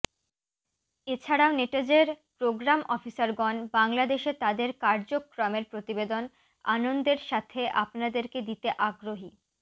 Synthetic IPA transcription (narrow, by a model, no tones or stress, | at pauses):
et͡ɕʰaɽaoneʈed͡ʑeɾpɾoɡɾamʔɔfisaɾɡɔnbaŋlad̪eʃet̪ad̪eɾkaɾd͡ʑokːɾɔmeɾpɾot̪ibed̪on | a̰nond̪eɾʃat̪ʰeʔa̰pnad̪eɾked̪it̪eʔaɡɾoɦi